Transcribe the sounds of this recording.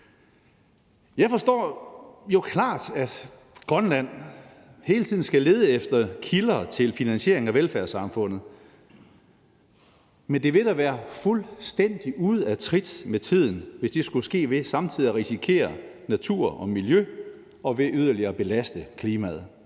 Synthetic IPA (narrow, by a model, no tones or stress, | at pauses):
jɑ̈ɪfɒ̽sd̥ɒ̰ːjo̝kʰlɑ̰̈ːd̥æd̥ | ɡ̥ʁɶnlæn̰ | he̝ːlət͡sʰið̞̰ˠn̩sɡ̥æle̝ːð̞ˠəefd̥ɐkʰilɐːt͡sʰe̝lfinænɕe̝ɐeŋ̩æʋelfæɐsɑ̈mfɔ̽n̰ð̩ˠ | mend̥e̝ʋe̝d̥æʋæːɐfulsd̥en̰d̥iʔuð̞̩ˠæt͡sʰʁid̥met͡sʰið̰ˠn̩ʋe̝sd̥e̝sɡ̥usɡ̥e̝̰ːʋe̝sɑ̈mt͡sʰið̰ˠiæʁisikʰe̝̰ːɐ | næt͡sʰuɐ̰ʔɒ̽miljø | ɒ̽ʋe̝ʔyð̞ˠɐliɐːb̥e̝læsd̥əkʰliːmæ̰ð̞̩ˠ